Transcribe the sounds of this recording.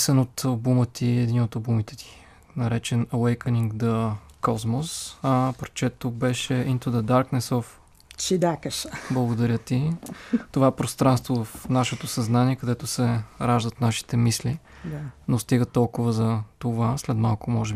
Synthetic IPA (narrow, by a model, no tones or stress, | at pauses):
sɛnot̪ɐbumət̪iɛd̪iot̪ɐlˠbumit̪ɛ̥t̪i̥ | nɐɾɛt͡ʃɛnəwɛjkəniŋɡd̪ɐkɔsmospɾot͡ʃɛt̪ubɛʃɛint̪od̪ɐd̪aɾknɛsof | t͡ʃid̪akəʃblˠɐɡod̪ɐɾjət̪it̪ovaɛpɾost̪ɾanst̪vovɐfnaʃɛt̪osɐznaniɛkɐd̪ɛt̪ʊsɛɾaʒd̪ət̪naʃi̥t̪ɛmisli | nost̪iɡət̪ɔlˠkʊvəzɐt̪ovaslɛt̪malˠkʊmɔʒɛ